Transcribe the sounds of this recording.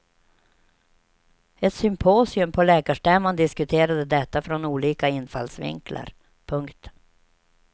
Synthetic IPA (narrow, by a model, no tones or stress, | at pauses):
ɛt̪sʏmpʰoːsɪɵmpʰɔlɛːkaʂʈɛmand̪ɪskɵt̪ʰeːɾad̪əd̪ɛt̪ːafɾɔnuːliːkaɪnːfa̰lsvɪ̰ŋklʔa̰ɾ | pʰɵŋkt̪